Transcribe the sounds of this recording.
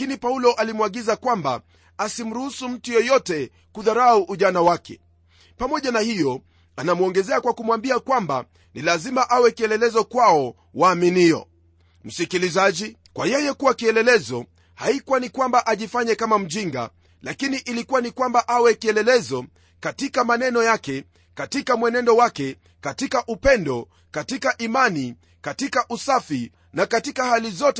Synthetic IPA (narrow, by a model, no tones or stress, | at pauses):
kinipaulɔʔalimwaɠizakwamba | asim̩ɾuhusum̩tujɛjɔtɛ | kuðaɾauʔuʄanawakɛ̰ | pamɔʄanahijɔ | anamuɔŋɡɛzɛakwakumwambiakwamba̰ | nilazimaʔawɛkiɛlɛlɛzɔkwaɔ | waːminiɔ̰ | m̩sikilizaʄi | kwajɛjɛkuwakiɛlɛlɛzɔ | haikuwanikwambaʔaʄifaɲɛkamam̩ʄiŋɡa̰ | lakiniʔilikuwanikwambaʔawɛkiɛlɛlɛzɔ | katikamanɛnɔjakɛ | katikamwɛnɛndɔwakɛ | katikaʔupɛndɔ | katikaʔimani | katikaʔusafi | nakatikahalizɔt